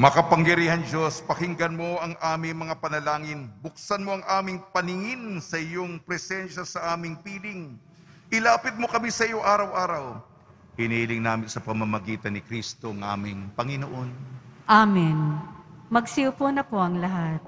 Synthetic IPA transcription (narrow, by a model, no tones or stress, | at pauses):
mɐkɐpɐŋjɐɾiːhɐnd͡ʒospɐhɪŋɡɐnmo̞ʔɐŋʔaːmɪŋmɐŋapɐnɐlaːŋɪnbʊk̚sɐnmo̞ɐŋʔaːmɪŋpɐnɪŋɪnsɐʔɪjoŋpɾɛsɛnʃɐsɐʔaːmɪŋpiːlɪŋ | ʔɪlaːpɪt̪̚mo̞kɐmisɐɪjoŋʔaːɾɐwʔaːɾɐw | hɪniːlɪŋnaːmɪnsɐpɐmɐmɐɡiːt̪ɐnɪkɾist̪o̞ɐŋʔa̰ːmɪŋpɐŋɪnoʔo̞nʔaːmɪnmɐɡsiʊponɐpoʔɐŋlɐɦat̪̚